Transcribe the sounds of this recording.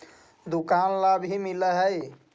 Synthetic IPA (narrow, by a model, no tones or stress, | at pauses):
d̪ukanlabɦimiləɦəj